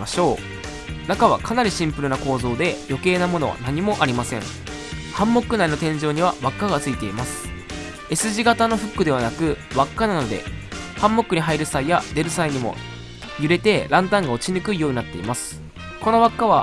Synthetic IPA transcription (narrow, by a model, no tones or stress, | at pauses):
aɕo̞ː | nakaβ̞akʰanaɾʲiɕĩmpɯ̟ɾɯ̟nako̞ːzo̞ːd̪e̞jo̞ke̞ːnamo̞no̞βa̰naɲ̟imo̞ʔaɾʲimasẽ̞ɴ | hãmːo̞kːɯ̟naino̞t̪ẽ̞ɲ̟d͡ʑo̞ːɲ̟iβ̞aβakːaɡat͡sɨit̪e̞imasɨ̥ | e̞sɨʑiɡat̪ano̞ɸɯ̟kːɯ̟d̪e̞βanakɯ̟βakːanano̞d̪e̞̰hãmːo̞kɯ̟ɲ̟iɦaiɾɯ̟saijad̪e̞ɾɯ̟saiɲ̟imo̞̰ | jɯ̟ɾe̞t̪e̞ɾãnt̪ãŋɡao̞t͡ɕiɲɯ̟kɯ̟ijo̞ːɲinat̪ːe̞ḭmasɨ̥ | ko̞no̞βakːaβa